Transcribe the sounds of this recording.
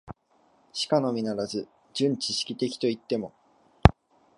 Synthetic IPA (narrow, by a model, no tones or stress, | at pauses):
ɕi̥kano̞mʲinaɾazɨ | d͡ʑɨ̃ɲ̟t͡ɕiɕi̥kʲit̪e̞kʲi̥t̪o̞it̪ːe̞mo̞